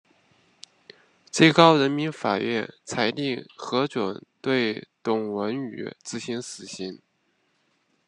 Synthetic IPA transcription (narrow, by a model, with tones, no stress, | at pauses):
t͡swe˥˩ɪkɑ˥ʊɻə˧˥nmi˧˥nfa˨˩ɥɛ̰˥˩nt͡sʰa˧˥ɪt̪i˥˩ŋxɤ˧˥ʈ͡ʂwə˨˩˦nt̪we˥˩ɪt̪ʊ˨˩ŋwə˧˥ny̰˨˩˦t͡sɹ̩˥˩ɕi˧˥nsɹ̩˨˩ɕi˧˥n